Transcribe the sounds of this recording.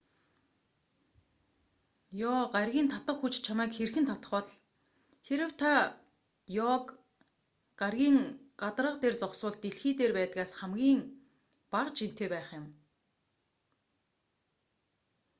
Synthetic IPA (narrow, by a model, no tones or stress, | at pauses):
jɔːɢarɣʲiːnt̪ʰat̪ə̆χxut͡ɕt͡ɕʰamæːkxerxɘ̆nt̪ʰat̪ə̥̆χɔ̆ɮ | xeɾɘ̆wt̪ʰa | jɔk | ɢarɣʲiːŋɢat̪ərə̆qt̪eːrt͡sɔwsʊːɮt̪eɮxiːt̪eːrpæːt̪ə̆ɣaːsχæmɡʲiːŋ | paʁt͡ɕʰin̥t̪eːpæːχjɪ̆m